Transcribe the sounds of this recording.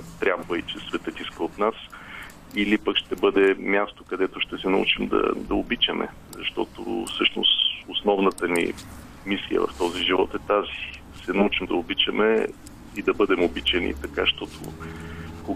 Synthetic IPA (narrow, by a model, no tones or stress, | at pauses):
t̪ɾʲabvəit͡ʃɛsvɛt̪ət̪iskəot̪nas | ilipəkʃt̪ɛbɤd̪ɛmʲjast̪okɐd̪ɛt̪oʃt̪ɛsɛnɐṵt͡ʃimd̪ɐ̰d̪ɐobit͡ʃɐmɛ̰ | zɐʃt̪ɔt̪o̰fsɤʃnʊ̰sosnɔvnət̪ənḭ | misijə̰vɐ̰ft̪ɔziʒivɔt̪ɛt̪azid̪ɐsɛnɐut͡ʃimd̪ɐobit͡ʃəmɛ | id̪ɐbɤd̪ɛmʊbit͡ʃɛnḭt̪ɐkaʃt̪ɔt̪ʰo̰ | ko